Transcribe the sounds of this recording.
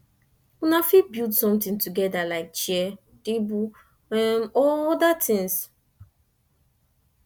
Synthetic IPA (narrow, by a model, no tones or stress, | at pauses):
unafit̚bildsɔ̃mtĩntuɡɛdalaɪk̚t͡ʃɛ | tebu | ɛ̃nɔɔdatʰĩŋs